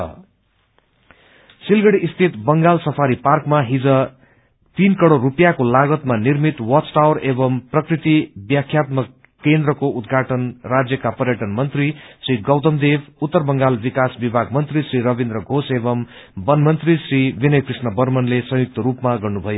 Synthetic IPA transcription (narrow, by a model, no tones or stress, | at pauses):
silɡʌɽiʔːst̪ʰit̪bʌŋɡalsʌpʰaɾiparkmaɦid͡zʌ | t̪inkʌɽoɾupjakolaɡʌt̪manirmit̪wʌsʈawɾebʌmprʌkrit̪ibjakʰjat̪mʌkː | end̪ɾʌkoʔud̪ɡʱaʈʌnrad͡zjʌkapʌrjʌʈʌnmʌnt̪risriɡʌwt̪ʌmd̪ebʰut̪ːʌrbʌŋɡalbikasbibʱaɡ̚mʌnt̪risriɾʌbind̪ɾʌɡʱosebʌm | bʌnmʌnt̪risribinʌjkrisnʌbʌrmʌnlesʌ̃juk̚t̪ʌɾupmaɡʌrnubʱʌjo